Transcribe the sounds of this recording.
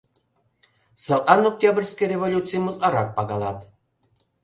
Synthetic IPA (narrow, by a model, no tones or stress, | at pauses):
səlʔɑnok̚t̪ʲabrʲsʲkejrʲevolʲut̪t͡sɨjmut̪ɑɾɑk̚pɑɣɑlˠɑt̪